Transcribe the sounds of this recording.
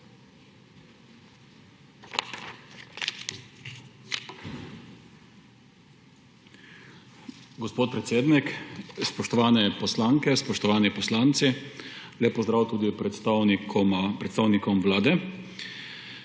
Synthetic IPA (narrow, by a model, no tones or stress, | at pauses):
ɡɔspoːt̪̚pɾɛt̪seːd̪nikspɔʃt̪ɔʋaːnɛpɔslaːŋkɛspɔʃt̪ɔʋaːnipɔslaːnt̪sileppːɔzd̪ɾaːwt̪uːd̪ipɾɛt̪st̪kapɾɛt̪st̪aːwnikɔmʋlaːd̪ɛ